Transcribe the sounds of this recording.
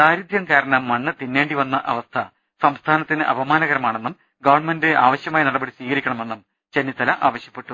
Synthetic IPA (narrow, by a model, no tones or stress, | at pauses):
daːɾud̪jɐmkaːɾɐɳɐmːɐɳːɨt̪inːeːɳɖiʋɐnːɐʔɐʋɐst̪ʰɐ | sɐmst̪ʰaːnɐt̪ːinɨʔɐ̰bɐmaːnɐɣɐɾɐmaːɳenːum | ɡɐʋɐrɳmendɨʔa̰ːʋɐɕjɐmaːjinɐɽɐbɐɽisʋiːɣɐɾikʲːɐɳɐme̞nːum | t͡ɕenːit̪ːɐlɐʔa̰ːʋɐɕjɐpːe̞ʈːu